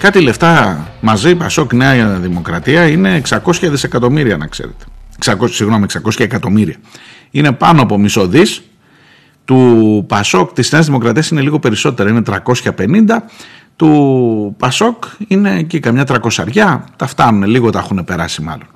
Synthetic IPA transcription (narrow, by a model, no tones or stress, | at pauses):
kɐt̪ile̞ft̪ɐmɐzipɐso̞kneɐðimo̞kɾɐt̪iɐine̞ːksɐko̞sçɐðise̞kɐt̪o̞miɾiɐnɐ̰ksḛɾe̞̰t̪e̥ksɐkosiɣno̞mieksɐko̞sçɐekɐt̪o̞miɾiɐ | ine̞pɐnoɐpo̞miso̞ðis | t̪upɐso̞kt̪isneɐzðimo̞kɾɐt̪iɐsine̞liɣo̞pe̞ɾiso̞t̪e̞ɾɐine̞t̪ɾɐko̞sçɐpe̞nind̪ɐ | t̪upɐso̞kine̞cikɐmɲɐt̪ɾɐkosɐɾʝɐt̪ɐft̪ɐnune̞liɣo̞t̪ɐxune̞pe̞ɾɐsimɐ̰lo̞n